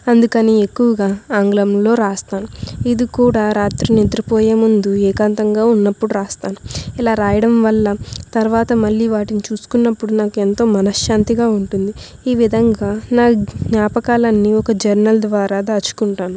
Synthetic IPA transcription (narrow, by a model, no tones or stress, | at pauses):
ɐnd̪ukɐniːekːuʋɐɡaːaːŋɡlɐmlo̞ːɾaːst̪aːnuid̪ikuːɽaːɾaːt̪ɾuned̪ɾipoːjeːmund̪uɛːkaːnt̪ɐŋɡaːunːɐpːuɽuɾaːst̪aːnuilaːɾaːjɐɽɐmʋɐlːɐt̪ɐɾuʋaːt̪ɐmɐɭːiːʋaːʈinit͡ʃuːsu̥kunːɐpːuɽunaːkue̞nt̪o̞ːmɐnɐʃjaːnt̪iɡaːuɳʈund̪i | iːʋid̪ʱɐŋɡaːnaːɡnaːpɐkaːlɐnːiɔkɐd͡ʒɐɾnɐld̪ʋaːɾaːd̪at͡ʃːu̥kuɳʈaːnu